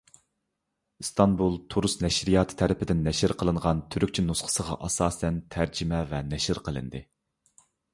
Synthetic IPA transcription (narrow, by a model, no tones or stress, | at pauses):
st̪ʰɑnbulˠt̪ʰuɾusnɛʃɾijɑːt̪ʰɨ̥t̪ʰɛɾɪpʰɪd̪ɪnːɛʃɪɾqʰəlˠɨɴʁɑnt̪ʰyɾyk̚ʲt͡ʃʰinusqʰə̥səʁɑ̰ʔɑsɑːsɛnt̪ʰæɾd͡ʒɪmɛvɛnɛʃɪɾqʰəlˠɨ̰nd̪ɨ